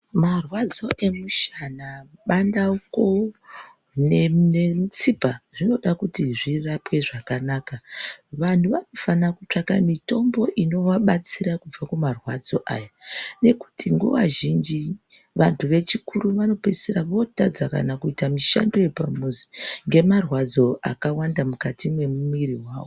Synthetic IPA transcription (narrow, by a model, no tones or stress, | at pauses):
marwad͡zo̞ʔe̞muʃanaɓandauko̞ | nenet͡sipaʐino̞ɗakutiʐirapwe̞ʐakanaːkaʋantuʋano̞fanakut͡ʂakamito̞mbo̞ʔino̞ʋaɓat͡siɾakub͡vakumarwad͡zo̞ʔajane̞ku̥tiŋɡuʋaʒind͡ʒi | ʋantʰuʋe̞t͡ʃikuruʋano̞peseɾaʋo̞tad͡zaka̰nakuitamiʃa̰ndo̞je̞pamuziŋɡe̞marwad͡zo̞ʔa̰kawandamukatʰimwe̞mumiɾiwaːwo